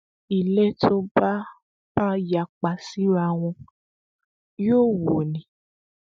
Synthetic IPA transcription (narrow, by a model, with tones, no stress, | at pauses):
i˨lɛ˦tʰo˧ba˦ | ba˦ja˨k͡pa˨si˦ɾa˦˨w̃ɔ̃˧ | jo˦˨wo˨nĩ˨